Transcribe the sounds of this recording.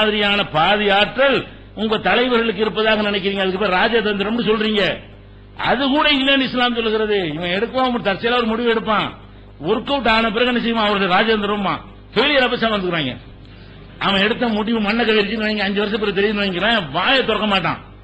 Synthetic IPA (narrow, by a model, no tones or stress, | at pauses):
ðɪɾɪjaːnɐpaːðɪjaːʈɾɐl | ʊŋɡɐt̪ɐlɐɪʋɐɾɣɐɭɯk̬ːɪɾɯpːɐðaːɣɐnɪnɛk̬ːɪɾiːŋɡɐðɯkːɯpɐːjɾaːd͡ʒaːðɐnd̪ɪɾɐmɪnːɯsɔlːɾiːŋɡɐ | ɐ̰ðɯkuːɽɐɪŋɪlːeːnɖɪslaːmsɔlːɯɣɪɾɐðɯɪʋɐ̃ɛɽɯkːɯʋãːʊŋɡɐɾt̪ɐɾt͡ʃːɪjɐlaːʋɔɾɯmʊɽɪʋɛɽɯpːãː | ɔɾɯkːɐːʈaːnɐp̬ːɪɾɐɣɛnːɐs̬ɛjːɯmãːɐʋɐɾɣɐðɯɾaːd͡ʒaːɐnd̪ɾɐmːã̰ː | feːlɪjɐɾɐpːɐsãːʋɐnd̪ɯkːɾaːŋɡɐ̰ | ɐʋɐ̃ɛɽɯt̪ːɐmʊɽɪʋɯmɐɳːɐkːɐʋɛɾɪt͡ʃːɯnːɯʋɐɪŋɡɐːɲd͡ʒɯʋɐɾɐs̬ɐpːɪɾɐt̪̬ɛɾɪjnɐʋɐŋɡɪɾãʋaːjɐt̪ːɔɾɐkːɐmaːʈːã̰ː